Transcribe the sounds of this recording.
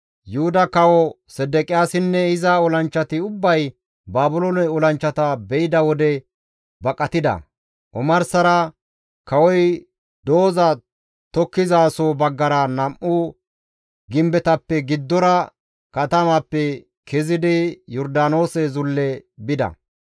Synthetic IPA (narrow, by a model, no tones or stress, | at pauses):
jʊhʊd̪ɐkɐwɔ | sɛd̪ɛkʼɪjaːsɪnːɛɪzɐɔlɐnt͡ʃːɐt̪ɪʊbːɐj | baːbʊlonɛɔlɐnt͡ʃːɐt̪ɐbɛjɪd̪ɐwɔd̪ɛ | bɐkʼɐt̪ɪd̪ɐ̰ | ʔɔmɐɾsɐɾɐ | kɐwɔj | d̪o̞ːzɐ | t̪ɔkːɪzaːsoːbɐɡːɐɾɐnɐmʔʊ | ɡɪmbɛt̪ɐpːɛɡɪd̪ːɔɾɐ | kɐt̪ɐmɐpːɛ | kʰɛzɪd̪ɪjɔɾd̪aːno̞ːsɛzʊlːɛbɪd̪ɐ̰